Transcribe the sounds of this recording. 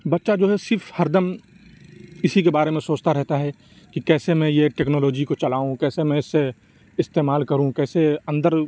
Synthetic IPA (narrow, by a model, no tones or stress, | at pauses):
bɐtːʃad͡ʒoːɦɛsɪɾfʰhɐɾd̪əm | ɪsikebaːɾemẽsoːt͡ʃt̪aɾɛɦt̪aɦɛ | kikɛːsemẽjeʈeːknoːloːd͡ʒikot͡ʃɐlaːũkɛːsemɛ̃ɪsːe | ɪst̪eːmaːlkɐɾũkɛːseɐ̃nd̪əɾ